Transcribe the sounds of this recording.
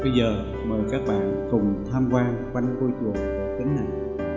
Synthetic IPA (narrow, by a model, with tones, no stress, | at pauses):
ɓə˧jzəː˨˩ | məː˨˩jkaː˦˥k̚ɓa̰ː˧˨nkʊ˨˩ŋ͡mt̪ʰaː˧mkwaː˧ŋkwa˧jŋ̟ko˧jt͡ɕu˨˩əŋɗə˧˩t̪i˨˦ŋna˨˩j